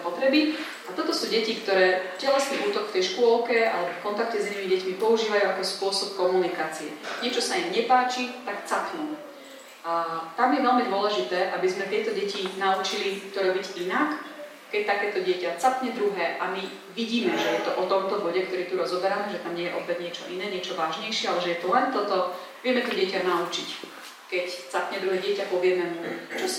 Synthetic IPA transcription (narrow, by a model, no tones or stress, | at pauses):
pɔt̪ɾɛbi | at̪ɔt̪ɔsuːɟɛcikt̪ɔɾɛːcɛlɛsniʔuːt̪ɔkft̪ɛjʃkʊɔlkɛa̰lɛbɔfkɔnt̪ak̚cɛzinimiɟɛcmipɔuʒiːʋajuakɔspʊɔsɔpkɔmunikaːt͡siɛɲɪɛt͡ʃɔsaimɲɛpaːt͡ʃit̪akt͡sapnu | at̪amjɛʋɛlmid̪ʊɔlɛʒit̪ɛːʔabizmɛt̪ɪɛt̪ɔɟɛcinaut͡ʃilit̪ɔɾɔbiɟinak | kɛc̚t̪akɛːt̪ɔɟɪɛcat͡sapɲɛd̪ɾuɦɛːʔami | ʋiɟiːmɛʒɛjɛt̪ɔʔɔt̪ɔmt̪ɔbɔɟɛk̚t̪ɔɾiːt̪uɾɔzɔbɛɾamɛʒɛt̪amɲɪɛjɛʔɔpːɛdɲɪɛt͡ʃɔʔinɛːɲɪɛt͡ʃɔʋaːʒɲɛjʃɪɛalɛʒɛjɛt̪ɔlɛnt̪ɔt̪ɔ | ʋɪɛmɛt̪ɔɟɪɛcanaut͡ʃic | kɛct͡sapɲɛd̪ɾuɦɛːɟɪɛcapɔʋɪɛmɛmut͡ʃɔ